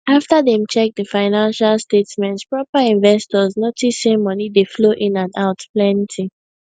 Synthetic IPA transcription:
aftəðɛ̃mt͡ʃɛk̚dəfaɪnãnʃalstetmɛ̃ntspɹɔpaĩnvɛstɔznotisẽmʌnidefloʔɪ̃nãnaʊtplɛ̃ntʰi

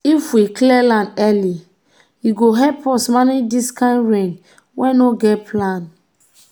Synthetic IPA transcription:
ifwiklɛlãndɛli | jiɡoɦɛpɔsmanediskãɪ̃ndɹẽn | wɛ̃noɡɛt̚pʰlãn

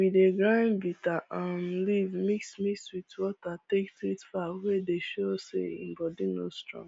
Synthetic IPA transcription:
wideɡɹãnbitaʔãmlivmiksmikswitwɔtatektɾitfawedeʃosḛḭ̃mbɔdinostɹɔ̰̃ŋ

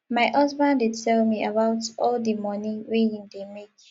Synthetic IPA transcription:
majʔasbãndid̚tʰɛlmiəbawtɔldəmɔ̃nĩwejĩŋdemek

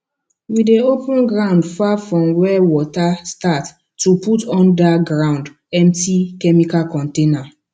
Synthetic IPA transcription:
wideopũnɡɹãʊ̃ndfafɹɔ̃mwɛwɔtastat | tːuputɔ̃ndaɡɹãʊ̃nd | ɛ̃mp̚tikɛmikalkɔ̃ntẽna

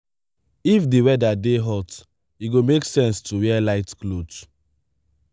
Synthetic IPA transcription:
ifdiwɛdadeɦɔt | iɡomeksɛ̃nstuwɛalaɪtklot

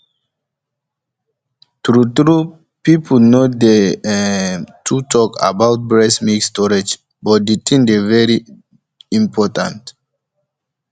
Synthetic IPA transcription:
tɹutɹu | pipʰnode | tʰutʰɔka̰bawt̚bɹɛsmikstɔɹed͡ʒ | bɔt̚detʰĩndevɛɹi | ĩmpʰɔtã̰nt

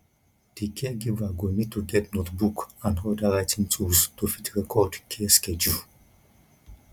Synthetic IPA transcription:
d̥ikʰɛɡivaɡonid̚tuɡɛtnotbukãnɦoldaɹajtĩŋtʰuztufitɹɛkʰɔdkʰeskɛd͡ʒul

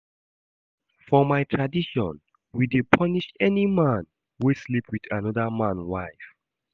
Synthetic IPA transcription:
fɔmajtʰɹadiʃɔ̰̃n | widepʰɔniʃɛnimãn | wuslipʰwidanɔðəmãnwajf

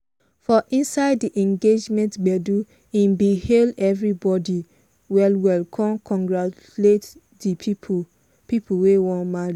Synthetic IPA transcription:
fɔʔĩnsaɪdːiʔɛ̃ŋɡed͡ʒmɛ̃ntɡ͡bɛdu | ĩnbihelɛvɹibɔdi | wɛlwɛlkʰɔ̃nkʰɔ̃ŋɡɹa | let | dipʰi | pipʰuwewɔ̃nmaɹi

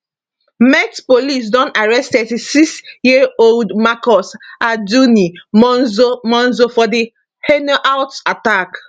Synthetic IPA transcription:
mɛtpolis̬dɔ̃naɹɛstɛsiksjioldmakɔsad͡ʒunimɔnzomɔ̃nzofɔdi | hɛnoʔawtatak

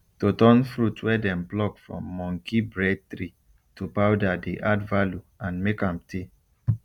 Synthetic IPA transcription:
totɔ̃nfɹutʰwɛdɛ̃mplɔkfɹɔ̰̃mːɔ̃ŋkibɹɛd̚t̪ɹi | tupawdadeʔadvaljuãnmekãmtʰe

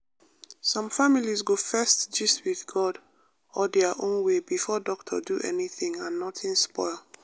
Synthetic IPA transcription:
sɔ̃mfamilizɡofɛstd͡ʒistwiðɡɔd | ɔdɛəʔõnwebifɔdɔk̚tʰɔ̰duʔɛniθĩŋãnːɔtʰĩnspɔɪlˠ

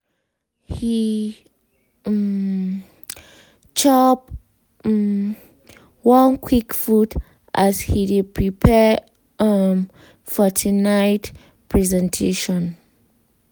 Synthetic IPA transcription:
hi | t͡ʃɔp̚ | wɔ̃nkʰwikfut | ʔashidid̚pʰɹipʰɛ | fɔtʰinaɪt | pʰɹɛzɛ̃ntʰeʃɔ̃n

